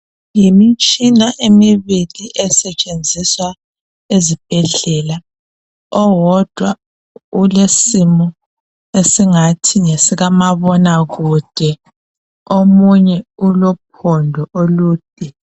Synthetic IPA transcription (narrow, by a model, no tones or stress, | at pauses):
jimit͡ʃʼinaʔemiβiliʔɛsɛt͡ʃʼend͡zʱiswa | ezib̥ʱɛɮɛla | ɔwɔd̥ʱwa | ulesimɔ | esiŋatʰiŋesiɣamaβɔnaɣud̥ʱɛ | omuɲɛulɔp̚ʰɔndʱɔʔoluːd̥ʱɛ